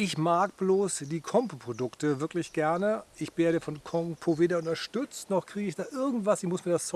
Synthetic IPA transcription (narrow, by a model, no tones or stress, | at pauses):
ʔɪçmaːk̚b̥loːsd̥iːkʰɔmpopʁ̥odʊktəvɪɐklɪçɡ̥ɛɐnəʔɪçv̥eːɐɾəfɔnkʰɔŋpʰoveːɾɐʊntɐʃtʏt͡stnɔχkʁ̥iːɡəɪçd̥aːʔɪɐɡŋ̩tv̥asɪçmʊsmiːɐdast͡s